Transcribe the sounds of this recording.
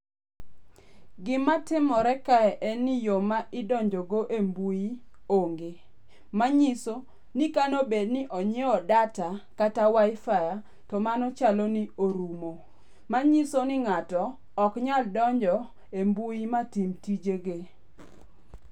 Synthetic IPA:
ɡɪmatɪmɔɾɛkaɛʔɛnːɪjomaʔɪdɔɲd͡ʒɔɡoʔembujioŋɡe | maɲiso | nikanobednɪʔɔɲeɔdatakatawajɪfaja | tɔmanɔt͡ʃalonioɾumo | maɲisonɪŋatɔː | kɲaldɔɲd͡ʒɔ | embuimatimtid͡ʒeɡe

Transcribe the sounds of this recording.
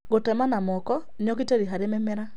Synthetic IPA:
ɡotɛmanamɔkɔ | njɔk̬iteɾiɦaɾemɛmɛɾa

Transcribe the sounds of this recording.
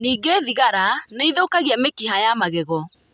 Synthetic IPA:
niːɡeðiɣaɾaneiðokaɣiɛmekihajamaɣɛɣɔ

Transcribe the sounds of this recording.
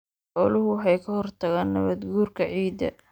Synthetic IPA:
ħɔːlʊɦʊħɛjkʰɐhɔrt̪ʰɐɣaːnːɐβɐd̪ɡuːrkʰɐʕiːd̪ɐ̰

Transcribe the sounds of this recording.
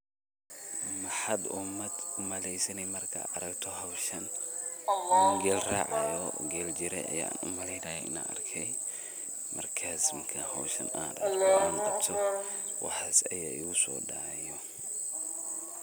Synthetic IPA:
mɐħɐd̪ʊmɐd̪ʊmɐlɛjsɐnɛjmɐrkʰɐ̰ɐɾɐɡt̪ʰɔɦɐwʃɐn | ɡɛːlraːʕajɔɡɛːld͡ʒɪɾɛ̰ʔɐ̰ja̰ːa̰ːnʊ̰mɐlɛjnaːjɔ̰ʔɪ̰na̰ɐ̰rkʰɛj | mɐrkʰaːsmkʰɐhɐwʃɐ̰na̰ːd̪ɐɔaːnɐbt̪ʰɔ | wɑ̰ħaːsɐjaːɪɣʊsɔ̰ːɖaʕjɔ

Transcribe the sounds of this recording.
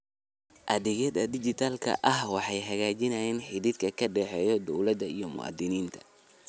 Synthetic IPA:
ʔɐðɪɣɛd̪ɐd̪ɪt͡ʃɪt̪ʰalkʰɐ̰ʔɐhwɑħɑjɦɐɣaːt͡ʃɪnɐjɛːnħɪðɪd̪kʰɐkʰɐɖɛːħɛːjɔd̪ɔwlɐd̪ɐijɞmʊ̰ɑ̰d̪ɪniːnt̪ʰɐ̥

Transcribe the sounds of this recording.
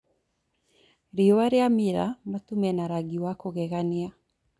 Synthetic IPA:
ɾiowaɾeamiɾamatumɛnaɾaɡiwakoɣɛɣanea

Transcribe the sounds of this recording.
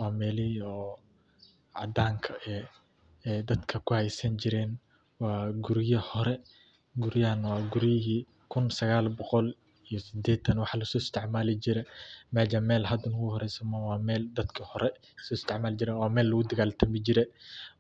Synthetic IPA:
wɑːmɛːlɪɔː | ʕɑ̰d̪aːŋkʰɐɛː | ɛːd̪ɐd̪kʰɐkʰʊhɛjsɐnt͡ʃɪɾɛːn | wɑːɡʊɾjɐhɔɾɛ | ɡʊɾjɐnwɑːɡʊɾjɪɦiː | kʰʊnsɐɣaːlbɔqɔl | ijɔsɪd̪ɛːt̪ʰɐnwɑħlɐsɔːɪst̪ʰɪʕmaːlɪd͡ʒɪɾɛmɛːd͡ʒɐmɛːlɦɐd̪ʊnʊɣʊhɔɾɛjsɐmɐwɑːmɛːld̪ɐd̪kʰɐhɔɾɛ | sɔːɪst̪ʰɛʕmaːld͡ʒɪɾɛːnwɑːmɛːlːʊɣʊd̪ɐɣaːlt̪ʰɐmɪd͡ʒɪɾɛ

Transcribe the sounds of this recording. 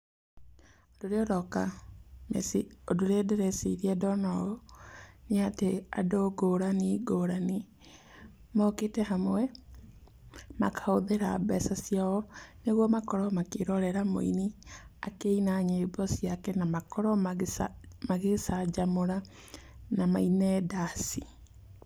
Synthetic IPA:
odoɾeɔɾɔka̰mḛsiodoɾedeɾɛsḭɾiɛdɔnaɣɔneatea̰doɡoɾaniɡoɾani | mɔketɛɦamwɛ | makʰaoðeɾa̰bɛsasjaɔneɣwɔmakɔɾɔmakeɾɔɾɛɾamo̰ḭnia̰keinaɲebɔsiakɛnamakɔɾɔ | maɣesad͡ʒamoɾa | namainɛdasi

